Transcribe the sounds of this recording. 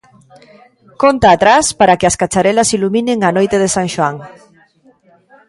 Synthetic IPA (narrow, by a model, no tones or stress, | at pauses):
kont̪aːt̪ɾaspaɾakeaskat͡ʃaɾɛlasilumĩneŋanojt̪eðesaŋʃwaŋ